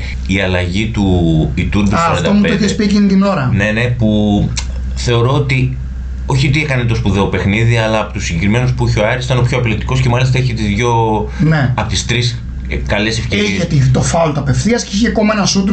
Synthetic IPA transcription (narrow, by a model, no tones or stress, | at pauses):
iɐlɐʝit̪uit̪uɾd̪usɾɐt̪d̪omuteoiçespicinit̪ino̞ɾɐne̞ne̞pu | θe̞o̞ɾo̞ot̪i | o̞çit̪iekɐnet̪o̞spuðeope̞xniðiɐlɐːpot̪usːiɟe̞kɾime̞nuspuiçoɐɾisi̥t̪ɐno̞pçoɐplit̪i̥ko̞sce̞mɐlist̪ɐeçit̪izðʝo̞neɐpot̪ist̪ɾis | kɐlesefceiiçet̪it̪ofɐolt̪uɐpe̞fθiɐsceiçekomenɐsut̪